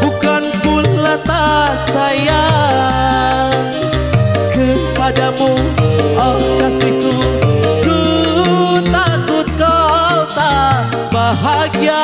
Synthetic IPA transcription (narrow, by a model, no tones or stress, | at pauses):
bukanpunlat̪asaja | ŋ | kəpadamua | kasikuku | t̪akut̪̚kawt̪a | baɦaɡia